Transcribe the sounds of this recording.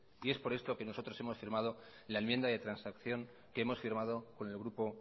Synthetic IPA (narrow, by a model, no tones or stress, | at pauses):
ie̞spo̞ɾe̞st̪o̞ke̞no̞so̞t̪ɾo̞semo̞sfiɾmað̞o̞ | laenmjend̪aðe̞t̪ɾansakθjo̞ŋ | keemo̞sfiɾmað̞o̞ko̞ne̞lɣ̞ɾupo̞